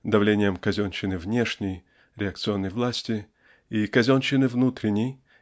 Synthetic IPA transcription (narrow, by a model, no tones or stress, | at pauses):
d̪ɐvlʲenʲɪjəmkɐzʲonɕɪnɨvnʲeʂnʲəj | ɾʲɪɐk̚t̪sɨo̞nːəjvlˠasʲtʲɪ | ikɐzʲonɕɪnɨvnut̪ɾʲɪnʲːɪj